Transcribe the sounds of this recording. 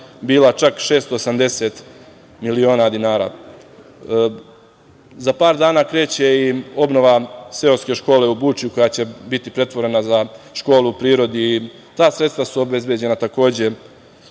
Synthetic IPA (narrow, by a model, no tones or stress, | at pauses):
biːlˠat͡ʃakʃe̞ːst̪oːsamd̪e̞se̞ːt̪ | milio̞ːnad̪inaːɾa̰ː | zapaːɾd̪aːnaːkɾe̞ːt͡ɕe̞io̞bno̞ʋase̞oske̞ʃko̞ːle̞ubuːt͡ʃjuko̞jaːt͡ɕe̞bit̪ipɾe̞t̪ʋo̞ɾe̞nazaʃko̞ːluupɾiːɾo̞d̪iː | t̪aːsɾe̞t̪st̪vasuobe̞zbjed͡ʑe̞nat̪ako̞ːd͡ʑe̞